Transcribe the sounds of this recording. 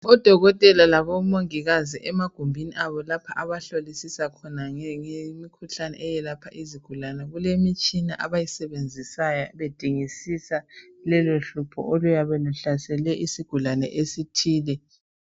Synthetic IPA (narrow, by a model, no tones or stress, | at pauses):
ɔd̥ʱɔɣɔtʼɛlalaβɔmoŋiɣaziʔɛmaɡ̥ʱumbʱiniʔaβɔlapʰaʔaβaɬolisisakʰɔnaŋemikʰuɬanɛ̰ʔɛjɛlapʰaʔiziɡ̥ʱulanɛɣulemit͡ʃʼina̰ʔaβajisɛβend͡zʱisajaβed̥ʱiŋisisa | lɛloɬupʰɔ̰ʔolujaβɛluɬasɛlɛʔisiɡ̥ʱulanɛ̰ʔesitʰiːlɛ